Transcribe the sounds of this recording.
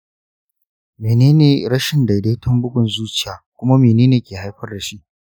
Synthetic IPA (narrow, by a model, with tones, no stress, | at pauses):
meː˨neː˦neː˨ɽɐ˦ʃɪ˨nda˨jdeː˦tʰʊ˦mbʊ˦ɡʷʊ˨nzuː˦t͡ʃɪ̥˦jaː˨kʷʊ˦ma˦meː˨neː˦neː˨kʲeː˨ha˦jɸɐ˦rda˨ʃi˦ʔ